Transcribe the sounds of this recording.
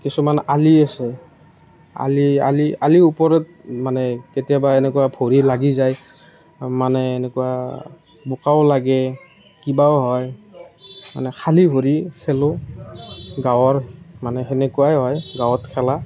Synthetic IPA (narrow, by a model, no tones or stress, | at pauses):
kisumanaliasɛ | a̰lia̰lialiupɔɹɛtmanɛketijabaenɛkuwabʰʱoɹilaɡizaj | manɛːnɛkuwa | bʊkawlaɡɛ | kibaɔɦɔj | ma̰nɛkʰaliɦoɹikʰɛlʊ | ɡawɔɹmanɛɦɛnɛkuwajɦɔjɡawɔtkʰɛla